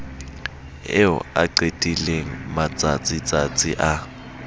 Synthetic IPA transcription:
ɛ̰ɔ̰a̰ǀetʼileŋ̩mat͡sʼat͡sʼit͡sʼat͡sʼḭʔa

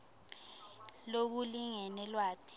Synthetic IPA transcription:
lok̬uliŋɛnɛlwaːtʰi̥

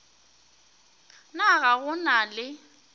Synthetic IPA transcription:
naɣaɣʊnalɪ

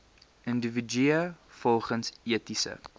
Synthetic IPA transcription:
əndəvəd͡ʒyəfɔlˠχənsiətisə̰

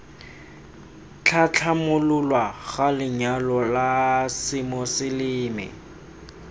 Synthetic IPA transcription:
t͡ɬʰat͡ɬʰamʊlʊlwaɣalɪɲalɔlasɪmɔsɪlɪːmɪ̰

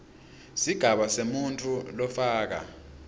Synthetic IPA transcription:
siɡ̥ʱaɓasemuntʰʼulɔfaːk̬a̰

